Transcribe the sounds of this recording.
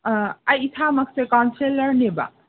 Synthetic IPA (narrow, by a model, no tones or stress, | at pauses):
ajit̪ʰamɐkʰsekansʰeləɾneba̰